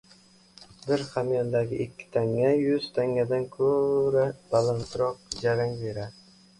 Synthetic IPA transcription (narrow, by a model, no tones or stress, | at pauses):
bɪɾχamjɒnd̪aɡʲɪʔɪkʲːɪ̥t̪ʰaŋːajʊz̥t̪ʰaŋːad̪ankʰɵɾabalant̪ʰɾɒq̚d͡ʒaɾaŋbe̞ɾad̪ɪ